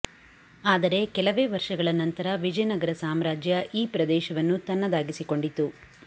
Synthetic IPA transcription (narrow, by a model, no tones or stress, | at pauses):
aːd̪ɐɾe̞kɛlɐʋe̞ːʋɐɾʂɐɡɐɭɐnɐnt̪ɐɾɐʋid͡ʒɐjɐnɐɡɐɾɐsaːmɾaːd͡ʒjɐʔiːpɾɐd̪ɛːʃɐʋɐnːut̪ɐnːɐd̪aːɡisiko̞ɳɖit̪ːu